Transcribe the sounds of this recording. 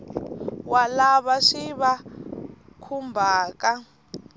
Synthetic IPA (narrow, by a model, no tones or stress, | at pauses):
walaβaʂiβa | kʰumbʱaːka